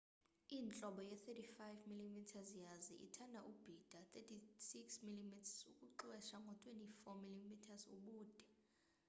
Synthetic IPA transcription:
iːnt͡ɬʼɔɓɔjɛθetʰifajvmilimitʰazjazḭʔḭtʰandʱaʔub̥ʱid̥ʱat̪ʰʼetʰisiksmilimitʰḁsukʼuǁwɛʃaŋɡʱɔtʼwenifɔmilimitʰazṵɓuːd̥ʱɛ

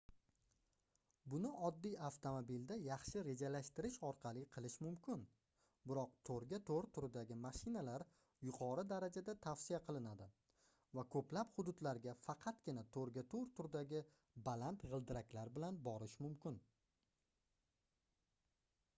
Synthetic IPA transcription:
bʊnɪʔɒd̪ːijaft̪ʰomobild̪ajɑχʃɪɾe̞d͡ʒalaʃt̪ɪɾɪʃɒɾqʰɑlˠɪqʰɨlˠɪʃmʊmkʲʰɪn | bɪɾɒq̚t̪ʰoɾɡʲat̪ʰoɾt̪ʰʊɾɪd̪aɡʲɪmaʃɪnalaɾ | jʊqʰɒɾɨd̪aɾad͡ʒad̪at̪ʰafsijaqʰɨlˠɪnad̪ɪ | vakʰɵplaphʊd̪ʊd̪laɾɡʲafɑqʰɑt̪ɡʲɪnat̪ʰoɾɡʲat̪ʰoɾt̪ʰʊɾd̪aɡʲɪ | balant̪ʁɨlˠd̪ɪɾakʲlaɾbɪlanbɒɾɪʃmʊmkʲɪn

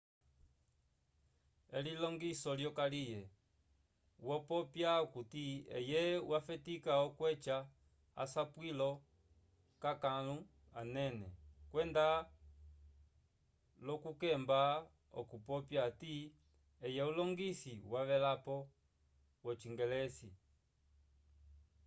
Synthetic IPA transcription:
ɛlilɔŋɡisɔljɔkalijɛ | wɔpɔpjaukutiɛ̰jɛwafɛtikaɔkwɛt͡ʃa | a̰sapwilɔ | kakalu | anɛnɛ̰kwɛnda | lɔkukɛmba | ɔ̰kupɔpjati | ɛjɛulɔŋɡisiwaʋɛlapɔ | wɔt͡ʃiŋɡɛlɛsi

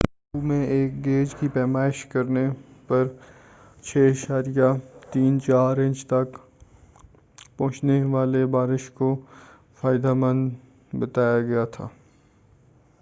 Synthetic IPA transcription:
bumẽeːk̚ɡeːd͡ʒkipɛːmaːɪʃkɐɾnepɐɾ | t͡ʃʰeːəʃaːɾijat̪iːnt͡ʃaːɾɪ̃ɲt͡ʃt̪ɐk | pɐ̃ɦʊ̃t͡ʃneʋaːlebaːɾɪʃko | faːjɪd̪amə̃nd̪ | bɐt̪aːjaɡɐjat̪ʰa̰ː

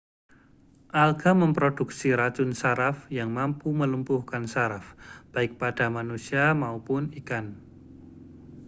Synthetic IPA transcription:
ʔalɡaməmpɾod̥uk̚siɾat͡ʃʊnsaɾafjaŋmampuməlumpʊhkansaɾafb̥aɪk̚pad̥a̤manusiamaupʊnikan

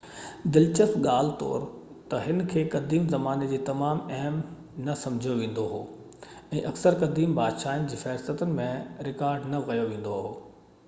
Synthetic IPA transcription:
d̪ɪlt͡ɕəst̪ɠaːl̤ɪt̪ɔ̰ːɾ | t̪ɐɦɪnkʰeːkɐd̪ʱiːmzɐmaːned͡ʑiːt̪ɐmaːmɛɦm | nɐsɐ̃md͡ʑʱjoʋẽːn̆d̪oɦo̰ː | ɛ̃ːʔɐksəɾkɐd̪iːmbaːd̪ʃaːɪnɪ̆d͡ʑiːfɛːɾsət̪ʊnɪ̆mẽɾɪkaːɾɖnɐʋɐjoʋẽːn̆d̪oaɦoː

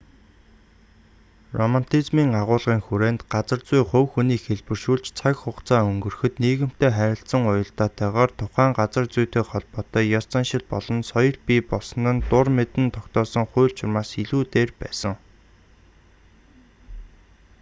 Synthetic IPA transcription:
rɔman̥t̪ʰizmiːŋaʁʊːɮʁiːŋxuɾeːnt̪ɢat͡sə̆rt͡sujχɵwxuniːkxeɮpɘ̆rʃuːɮt͡ɕt͡sʰakχʊqt͡sʰaːɵŋɡɵ̆rxɵ̆t̪niːɣɘ̆m̥t̪eːχæɾʲɪ̆ɬsə̆ŋʊjɞ̆ɬt̪aːt̪æːʁaːrt̪ʰʊχæːŋɢat͡sə̆rt͡sujt̪eːχɔɮpɔːt̪œːjɔ̥t͡sanʃɪ̆ɮpɔɮɞ̆nsɔjɞ̆ɮpiːpɔsɞ̆nə̆nt̪ʊrmet̪ɘ̆nt̪ʰɔkt̪ɔːsə̆ŋχʊjːɮt͡ɕʰɪrmaːsiɮuːt̪eːrpæ̰ːsə̆ŋ

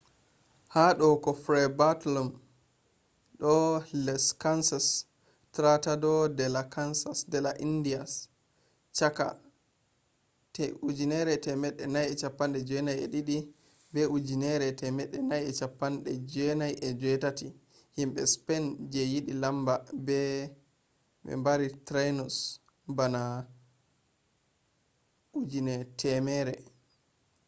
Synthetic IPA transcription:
haɗɔkɔfɾɛbatlɔm | ɗɔlɛskansas | tɾatadɔdɛlakansasdɛlaʔindias | t͡ʃaka̰ | tɛʔud͡ʒinɛɾɛtɛmɛɗːɛnajɛt͡ʃapːanɗɛd͡ʒɛnajɛ̰ɗiɗi | bɛud͡ʒinɛɾɛtɛmɛɗːɛnajɛt͡ʃapːanɗɛd͡ʒɛnajʔɛd͡ʒɛtati | himɓɛspɛnd͡ʒɛjiɗilambabɛ | ɓɛ̰mbaɾitɾajnɔs | bana | ʔud͡ʒinɛtʰɛmɛɾɛ

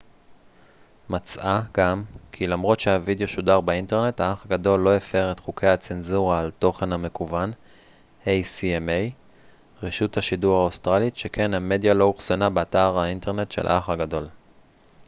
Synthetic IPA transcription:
mat͡sʔaɡamkʰilamʁo̞tʃe̞havidejo̞ʃudaʁbeinte̞ʁne̞thaaχaɡado̞lːo̞efeʁetχukʰe̞jhat͡se̞nzuʁaːlto̞χe̞nhame̞kuvan | ejsiemej | ʁeʃuthaʃiduʁhaost̪ʁalitʃekʰe̞nhame̞djalo̞uχsonabeataʁainte̞ʁne̞tʃelʔa̰aχaɡado̞l

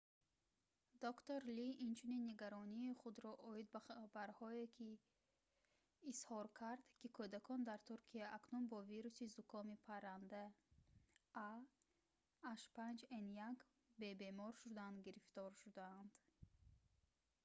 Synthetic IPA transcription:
d̪ɔkt̪oɾliʔint͡ʃʰuninːiɡaɾɔniːχud̪ɾɔʔɔid̪̚babaɾhɔekʰi | shɔɾkʰaɾd̪kikʰud̪akʰɔnd̪aɾt̪ʰuɾkʰiaʔaknunbɔviɾusizukʰɔmipʰaɾand̪a | a | ʃpand͡ʒenjak | be̞be̞mɔɾʃud̪and̪ɡiɾift̪ɔɾʃud̪aand̪̥

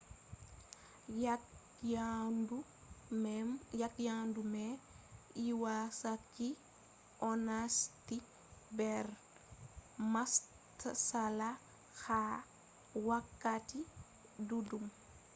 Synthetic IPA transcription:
ja | du | jatjandumɛ | iwasakːi | ʔɔnasti | bɛr | mas | tsala | xa | wakːati | dudum

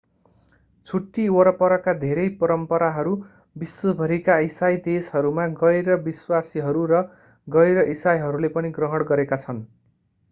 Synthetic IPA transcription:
t͡sʰuʈːiwʌɾʌpʌɾʌkad̪ʱeɾʌjpʌɾʌmpʌɾaɦʌɾu | biswʌbʱʌɾikaisajd̪esɦʌɾumaɡʌjɾʌbiswasiɦʌɾuɾʌ | ɡʌjɾʌʔisajɦʌɾulepʌniɡrʌɦʌɽɡʌɾekat͡sʰʌn

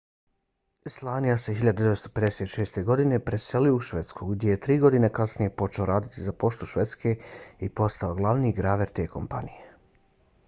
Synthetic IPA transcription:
slˠaːnijase̞ɦiʎad̪ud̪ʋe̞tst̪ope̞d̪eset̪ʃeːst̪e̞ɡo̞d̪ine̞pɾe̞se̞liouʃʋe̞t̪skuɡd̪je̞jet̪ɾiːɡo̞d̪inekasnije̞po̞t͡ʃeo̞ɾaːd̪it̪izapo̞ʃt̪uʃʋe̞t̪skʰe̞ipo̞st̪aoɡlˠaʋniːɡɾaːʋe̞ɾt̪e̞ːkʰo̞̰mpa̰nije

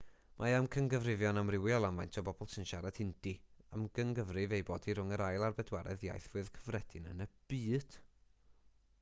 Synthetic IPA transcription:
mʔajamkʰəŋɡəvrɪvjɔnamrɪwiɔlˠamajntʰɔbɔbɔlˠtʰənʃaɾad̥hɪnd̥iamɡ̥əŋɡəvrɪvejbɔːdiɾʊŋəɾajlˠarbɛdwɛɾɛ̰ðja̰jθv̥ɨðkʰəvrɛd̥ɪnənəb̥iːd̥

